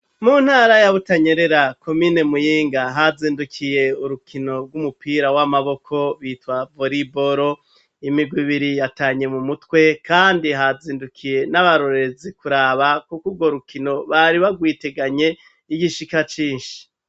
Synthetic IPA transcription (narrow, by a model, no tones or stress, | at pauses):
mun̥haːɾajaβutaɲe̞ɾe̞ɾako̞mine̞mujiːŋɡaɦaziːndukʰije̞uɾukʰino̞ɾɡwumupiɾawamaβo̞kʰo̞βiːtwavoɾibo̞ɾo̞ | imiɡwiβiɾijataːɲe̞mumutkwe̞kaːndiɦaziːndukʰije̞naβaɾoɾeezikuɾaːβakukuɾɡo̞ɾukino̞βaɾiβaɡwite̞ɡaɲe̞ | iɡiʃikat͡ʃiːnʃii̥